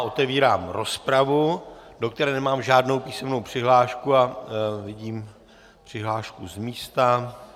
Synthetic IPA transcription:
ʔo̞t̪ɛviːɾaːmɾo̞spɾavudo̞k̚t̪ɛɾɛːnɛmaːmʒaːdno̞wpiːsɛmnowpr̝̥ɪɦlaːʃkuavɪɟiːm | pr̝̥ɪɦlaːʃkuzmiːst̪a

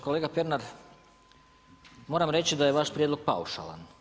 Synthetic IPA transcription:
koleɡapjeɾnaɾ | moɾamɾe̞t͡ʃid̪ajeʋaʃpɾjed̪loɡ̥̚pa̰uʃa̰lˠa̰n

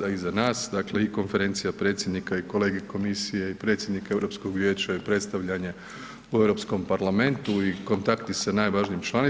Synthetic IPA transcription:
aizanaːsd̪akle̞iko̞nfe̞ɾe̞nt̪sijapɾe̞t̪sjed̪nikaiko̞le̞ːɡe̞ko̞misije̞ipɾet̪sʲjed̪nikae̞ʋɾo̞ːpsko̞ɡʋjeːt͡ʃaipɾe̞t̪st̪aʋʎaɲe̞ | ue̞ʋɾo̞psko̞mpaɾlame̞nt̪uiko̞nt̪akt̪isanaːjʋaʒnijːmt͡ʃlani

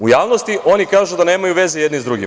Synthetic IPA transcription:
ujaːʋno̞st̪iʔo̞nikaːʒud̪ane̞ːmajuʋe̞zejed̪nizd̪ɾuɡi

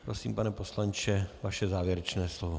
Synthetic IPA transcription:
pɾosiːmpanɛpo̞slant͡ʃɛvaʃɛzaːvjɛɾɛt͡ʃnɛːslovo

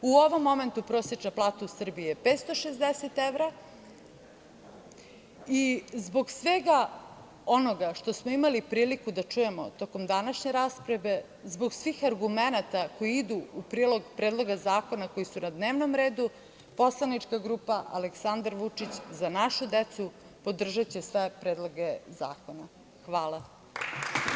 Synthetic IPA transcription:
uo̞ʋo̞mːo̞me̞nt̪upɾo̞ːsjet͡ʃnaplˠaːt̪ausr̩biepeːt̪st̪o̞ʃezd̪eset̪eʋɾa | izbo̞ɡsʋeɡa | o̞no̞ɡaʃt̪o̞smoimalipɾiːlikud̪at͡ʂuje̞mo̞̰t̪o̞ko̞md̪anaʃɲe̞ɾaːspɾaʋe̞ | zbo̞ɡsʋiːxaɾɡumenat̪ako̞jiid̪uːpɾiːlˠo̞ɡpɾeːd̪lˠo̞ɡazaːko̞nako̞jisunad̪neːʋnomɾeːd̪u | po̞slˠanit͡ʂkaɡɾuːpaʔa̰leksand̪aɾʋut͡ʂit͡ɕzanaʃud̪et̪su | po̞d̪r̩ʒat͡ɕesʋepɾeːd̪lˠo̞ɡeza̰ːko̞na | xʋaːlˠa

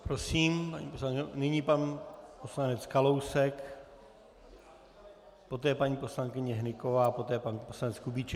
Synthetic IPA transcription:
pɾosiːmpa̰ɲḭːposlaŋknɪɲipanposlanɛt͡skalo̞wsɛk | po̞t̪ɛːjɛpaɲiːpo̞slaŋkɪɲɛɦnɪko̞vaːpo̞t̪ɛːjɛpanposlanɛt͡skubit͡ʃɛ

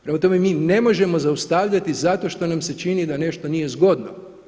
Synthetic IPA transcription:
pɾe̞mat̪o̞me̞miːne̞mo̞ʒe̞mo̞zaust̪aʋʎat̪izat̪o̞ʃt̪o̞namse̞t͡ʃinid̪ane̞ʃt̪o̞nije̞zɡo̞d̪no

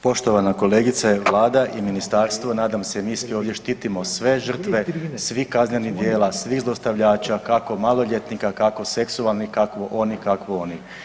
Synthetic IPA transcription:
po̞ʃt̪o̞ʋanako̞leɡit̪saʋlˠaːd̪aʔiminist̪aːɾst̪ʋonaːd̪amsemiːsʋoːʋd̪jeʃt̪iːt̪imo̞sʋe̞ʒər̩t̪ʋe̞sʋihkazɲenid̪je̞ːlasʋixzlˠost̪aʋʎaːt͡ʃakako̞malˠo̞ʎʲet̪nikakako̞se̞ksualˠnikakʋoʔo̞nikakʋoo̞ni

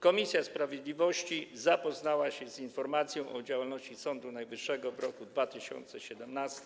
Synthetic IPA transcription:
kɔmʲisʲjaspɾavʲjed̪lʲivɔɕt͡ɕizapɔznawaɕɛzinfɔɾmat̪sʲjɔ̃w̃ʔɔd͡ʑawalnɔɕt͡ɕisɔnd̪unajvɘʂːɛɡɔvɾɔkud̪vat̪ɘɕɔ̰nt̪sɛɕɛd̪ɛmnast̪

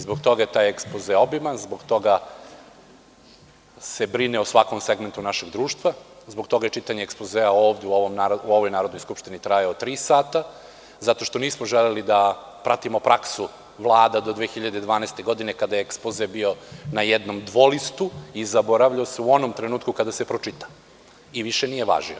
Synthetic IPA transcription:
izbokt̪o̞ɡaje̞t̪aːjekspozeobimanzboɡt̪o̞ɡa | se̞bɾineosʋako̞mseɡment̪unaʃe̞ɡd̪ɾuːʃt̪ʋazbokt̪o̞ɡajet͡ʃit̪aɲeːkspozeːaoːvd̪euoomnaɾuo̞ʋojnaːɾod̪nojskupʃt̪init̪ɾajaot̪ɾiːsaːt̪a | zat̪o̞ʃt̪o̞niːsmoʒelelid̪a | pɾat̪imo̞pɾaksu | ʋlˠaːd̪ad̪o̞d̪ʋeːxiʎad̪ed̪ʋaːnest̪eɡo̞d̪inekad̪ajeekspozebio̞najɛd̪no̞md̪ʋolist̪uizaboɾaʋʎaoseuo̞nomt̪ɾenuːt̪kukad̪ase̞pɾot͡ʂit̪ḁ | iʋiʃenije̞ʋa̰ʒḭo̰

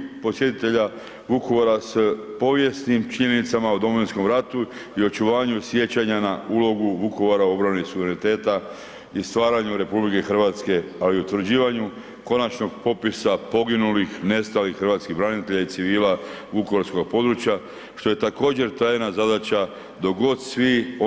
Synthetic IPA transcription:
po̞sje̞t̪it̪e̞ʎa | ʋukoʋoɾaspo̞ʋje̞snimt͡ʃiɲe̞nit̪samaud̪o̞moʋinsko̞mɾat̪u | io̞t͡ʃuʋaːɲusje̞t͡ɕaɲanaulo̞ɡuʋuko̞ʋoɾao̞bɾanesuʋeɾenit̪e̞ːt̪a | ist̪ʋaːɾaɲuɾe̞publike̞xr̩ʋat̪ske̞ | aliut̪ʋɾd͡ʑiːʋaɲu | ko̞nat͡ʃno̞ɡpo̞pisapo̞ɡinulixne̞st̪alixxr̩ʋaːt̪skiɣbɾanit̪e̞ʎait̪siʋiːla | ʋukooɾsko̞ɡ̚po̞d̪ɾut͡ɕja | ʃt̪o̞jet̪ako̞ːd͡ʑe̞ɾt̪ɾajenazad̪at͡ɕa | d̪o̞ɡo̞d̪sʋio

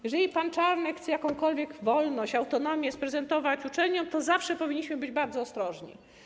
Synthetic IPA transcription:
jɛʐɛlʲipant͡ʂaɾnɛxt̪sɛjakɔ̃w̃kɔlvʲjɛɡvɔlnɔɕt͡ɕawt̪ɔnɔmʲjɛspɾɛzɛnt̪ɔvat͡ɕut͡ʂɛlɲɔmt̪ɔzafʂɛpɔvʲiɲːiɕmɘbɘd͡ʑbaɾd̪zɔːst̪ɾɔʐɲḭ

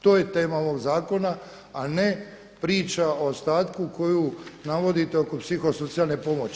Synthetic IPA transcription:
t̪o̞ːje̞t̪e̞ːmao̞ʋo̞ɡzaːko̞naː | ne | pɾiːt͡ʃaoost̪aːt̪kuko̞juːnaʋo̞d̪it̪e̞o̞ko̞psixo̞so̞t̪sialne̞po̞mot͡ɕ

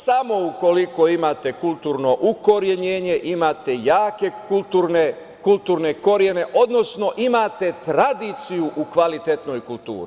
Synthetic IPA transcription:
samo̞uko̞liko̞imat̪e̞kulˠt̪uːɾno̞ʔuko̞ɾje̞ɲe̞ːɲe̞ʔimaːt̪e̞jaːke̞kulˠt̪uɾne | kult̪uːɾne̞ko̞ɾje̞ne̞ʔo̞d̪no̞sno̞ʔimat̪e̞t̪ɾad̪iːt̪sijuʔukʋalit̪et̪no̞jkulˠt̪ṵːɾi

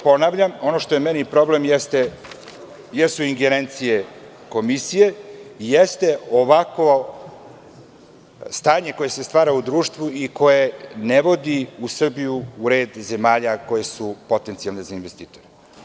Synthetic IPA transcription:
po̞naʋʎamo̞noʃt̪o̞jemenipɾo̞ble̞mjest̪e | jesuiŋɡeɾe̞nt̪sije̞ | ko̞misije̞ijest̪e̞oʋako | st̪aːɲe̞ko̞jese̞st̪ʋaːɾaud̪ɾuːʃt̪ʋuiko̞jeneʋo̞d̪iusr̩bijuːɾe̞ːd̪ze̞maːʎako̞je̞supo̞t̪ent̪sijalˠne̞zainʋest̪iːt̪o̞ɾe

